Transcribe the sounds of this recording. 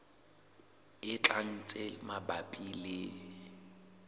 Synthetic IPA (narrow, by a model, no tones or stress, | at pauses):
ɪt͡ɬʼaŋ̩t͡sʼemabapʼilɪ